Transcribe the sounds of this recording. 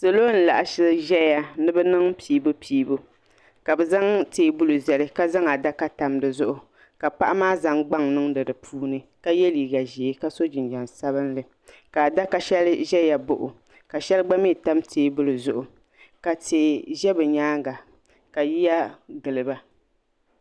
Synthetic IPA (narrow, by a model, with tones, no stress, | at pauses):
se˨lo˦n̩˨la̰˨ʔa˨ʃɪ˦ʒɛ˦ja˦nɨ˦bɛ˦nɨ˦ŋpʰiː˦bʊ˦pʰiː˦bo˦ | ka˨bɛ˨za˦ŋtʰeː˨˦bʊ˦lɨ˨zɛ˨lɨ˦ka˦za˦ŋa˨da˦ka˦ta˨mdɨ˨zʊ˦ʔʊ˨ | ka˨pa˦ʔa˦maː˦za˨ŋɡ͡ba˦ŋnɨ˦ŋdɨ˨dɨ˨pʰuː˦nɨ˨ka˦jɛ˦liː˨ɡa˨ʒi˨˦ka˦so˦d͡ʒɪ˨nd͡ʒa˨nsa˦βɨ˦n˦lɨ˨ | ka˨da˦ka˦ʃɛ˦lʒɛ˦ja˨bʊ˨ʔʊ˨ | ka˨ʃɛ˦lɡ͡ba˦mi˦˨ta˦mtʰeː˨˦bʊ˦lɨ˨zʊ˨ʔʊ˨ | ka˨teː˨ʒɛ˦bɨ˨ɲaː˦ɡa˨ | ka˨ji˦ja˦ɡɨ˨lɨ˨ba˦